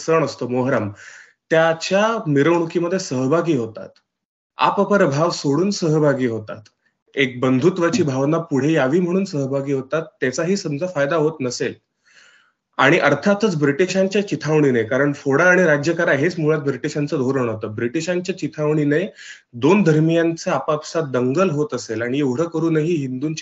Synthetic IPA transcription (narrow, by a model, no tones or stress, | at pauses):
səɳ̃əst̪əːmoɦɾam | t̪jat͡ɕjamiɾəʋɳ̃ukiːməd̪ʱːjesəɦbʱaɡiːɦot̪a̰t̪ | a̰pəpəɾbʱaʋsoɽuːnsəɦbʱaɡiːɦot̪a̰t̪ | ek̚bənd̪ʱut̪ʋat͡ɕiːbʱaʋnapuɽ̤ejaʋiːm̤əɽ̃uːnsəɦəbʱaɡiːɦot̪at̪ːjat͡saɦiːsəmd͡zʱafajd̪aɦot̪nəsel | aɽ̃iʔəɾt̪ʰat̪ət͡sbɾiʈiɕaɲt͡ɕjat͡ɕit̪ʰaʋɳ̃iːnəjkaɾəɳfoɽaːɽ̃iɾad͡ʑjəkaɾaɦet͡smuɭat̪̚bɾiʈiɕant͡səːd̪ʱoɾəɳɦot̪əːbɾiʈiɕaɲt͡ɕjat͡ɕit̪ʰaʋɳ̃iːnəj | d̪ond̪ʱəɾmijant͡səapapsat̪̚d̪əŋɡəlɦot̪əselaɽ̃ieuɽ̤əkəɾuːnəɦiːɦind̪uːnt͡ɕ